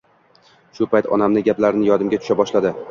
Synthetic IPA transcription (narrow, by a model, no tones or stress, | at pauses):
ʃʊpʰajt̪ʰɒ̰namnɪɡʲaplaɾnɪjɒd̪ɪmɡʲat̪ʰʊ̥ʃabɒʃlad̪ɪ